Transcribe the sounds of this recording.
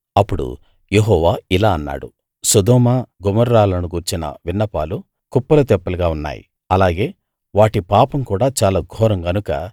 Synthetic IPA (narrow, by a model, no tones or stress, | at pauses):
ɐpːuɽṵ | jeɦɔːʋaːilaːɐnːa̰ːɽṵ | sɐd̪ɔːmaɡumɐɾːaːlɐnuɡuːɾt͡ʃinɐ̰ʋinːɐpa̰ːlu | kupːɐlɐt̪ɛpːɐlɐɡaːunːa̰ːjḭ | ɐlaːɡe̞ː | ʋaːʈipaːpɐmkuːɽaːt͡ʃaːlaːɡʱɔːɾɐŋɡɐnukɐ̰